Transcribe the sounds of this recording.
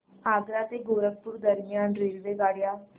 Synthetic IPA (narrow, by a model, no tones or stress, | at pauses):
aɡɾat̪eɡoɾək̚puːɾd̪əɾmjanɾelʋeɡaɽja